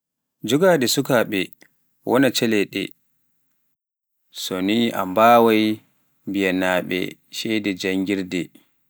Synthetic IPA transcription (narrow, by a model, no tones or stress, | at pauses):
d͡ʒuɡadɛsukaɓɛ | wʔɔnat͡ʃɛlɛɗɛ̰ | sɔniʔa̰mbaːwaj | bijanaːɓɛ̰ʃɛjdɛd͡ʒaŋɡiɾdɛ